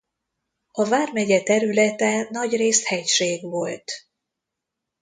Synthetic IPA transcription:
ɒvaːrmɛɟɛt̪ɛɾylɛt̪ɛnɒɟreːst̪hɛcʃeːɡvo̞lt̪

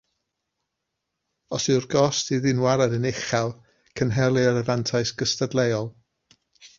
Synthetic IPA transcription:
ɔsɨwrɡɔstiðɪnwaɾadənɪχalˠ | kʰənɦɛlˠɨəɾəvantʰaɨsɡ̥əstadlˠɛjɔlˠ

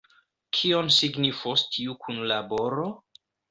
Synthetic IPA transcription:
kʰionsiɡnifostʰiukʰunlabo̞ɾo

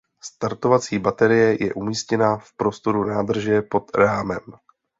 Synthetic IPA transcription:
st̪aɾt̪o̞vat͡siːbat̪ɛɾɪjɛjɛ̰ʔumiːscɛnafpɾo̞st̪o̞ɾunaːd̪r̩ʒɛpo̞t̪ɾaːmɛm

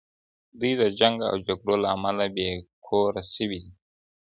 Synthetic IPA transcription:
d̪ujd̪əd͡ʒaŋɡa̰wd͡ʒaɡɽolaːmalabekʰoɾasiwid̪i

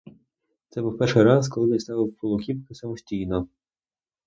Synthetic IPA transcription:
t̪sɛbuwpɛrʃɪjɾɑskɔlˠɪnʲnʲst̪ɑʋʲɪwpɔlˠʊkʲipkɪsɐmɔsʲtʲijnɔ

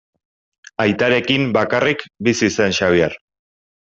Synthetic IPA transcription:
ajt̪aɾe̞kimbakarikbisisenʃaβ̞iar

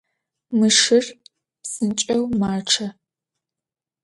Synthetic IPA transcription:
mɨʂɨr | psɨnt͡ʃʼɐwmaːʈ͡ʂʰɐ

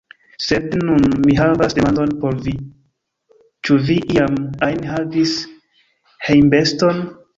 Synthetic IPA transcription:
se̞dnunmiɦavasde̞mando̞npo̞ɾvi | t͡ʃuviʔiamajnɦavis | hejmbe̞sto̞n

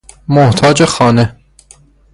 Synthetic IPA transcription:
moht̪ʰɒːd͡ʒexɒːne

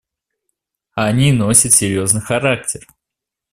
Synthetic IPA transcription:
ɐnʲinosʲət̪sʲɪɾʲjoznɨjxɐɾak̚tʲɪr

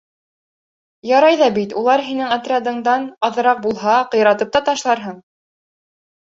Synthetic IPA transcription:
jɑɾɑjðɑbit̪ulˠɑɾɦinɘŋat̪ɾʲad̪ɤ̆ɴd̪ɑnɑðɤ̆ɾɑq̚bulˠɦɑqŏjɾɑt̪ɤp̚t̪ɑt̪ɑʃlˠɑɾɦɤɴ

